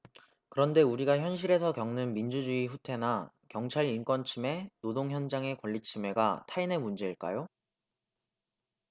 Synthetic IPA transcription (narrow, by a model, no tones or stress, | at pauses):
kɯɾʌnde̞uɾiɡaçjʌnɕ̬ʰiɾe̞sʰʌkjʌŋnɯnmind͡ʑud͡ʑuiɸutʰe̞na | kjʌŋt͡ɕʰaɾinkwʌnt͡ɕʰime̞nodoŋçjʌnd͡ʑaŋe̞kwʌʎːit͡ɕʰime̞ɡatʰaine̞mund͡ʑe̞iɭk͈a̰jo